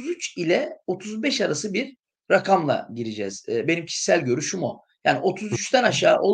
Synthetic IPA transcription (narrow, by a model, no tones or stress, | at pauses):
zyt͡ʃilʲɛo̞t̪ʰuzbɛʃaɾasɯbiɾː | akʰamlˠa̰ɟiɾid͡ʒɛz̥ːbe̞nimcʰi̥ʃsælʲɟø̞ɾyʃumu | jaːniʔo̞t̪ʰuzyt͡ʃt̪ʰænaʃaːʔo̞l